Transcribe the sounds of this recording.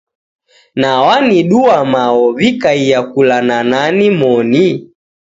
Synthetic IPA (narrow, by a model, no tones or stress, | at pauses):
nawaniɗuwamaɔvikaijakulanananimɔni